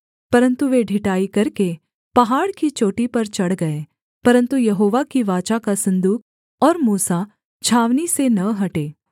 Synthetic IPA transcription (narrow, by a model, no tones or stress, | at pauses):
pɐɾə̃nt̪uʋeːɖʱɪʈaːikɐɾke | pɐɦaːɽkit͡ʃoːʈipɐɾt͡ʃɐɽɡɐeː | pɐɾə̃nt̪ujɐɦoːʋakiʋaːt͡ʃakasɐ̃nd̪uːk̚ | ɔːɾmuːsa | t͡ʃʰaːʋnisenɐɦɐʈeː